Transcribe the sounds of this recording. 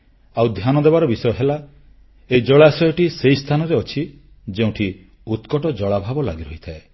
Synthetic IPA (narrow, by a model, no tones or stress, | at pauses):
awd̪ʱjanɔd̪ebaɾɔbisɔjɔɦela | eid͡ʒɔɭaesɔjɔʈisejst̪ʰanɔɾeɔt͡ʃʰi | d͡ʒeũʈʰi | ut̪kɔʈɔd͡ʒɔɭabʱabɔla̰ɡiɾɔɦit̪ʰae